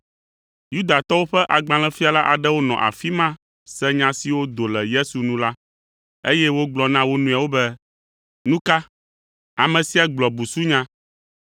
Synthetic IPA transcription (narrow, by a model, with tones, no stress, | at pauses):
ju˦d̪a˨t̪ɔ˦wo˦ɸɛ˦ʔa˨ɡ͡bã˨l̃ɛ̃˦fi˦a˨la˦ʔa˨ɖɛ˦wo˦nɔ̰̃˨ʔa̰˨fi˦mã˦ | sɛ˦ɲã˨si˨wo˦d̪o˨lɛ˨je˦su˨nũ˦la˦ | e˦jɛ˦wo˦ɡ͡blɔ˨nã˦wo˦nũ˦a˨wo˦bɛ˦ | nũ˦ka˦ | a˨mɛ̃˨si˦a˨ɡ͡blɔ˨bu˨su˦ɲã˦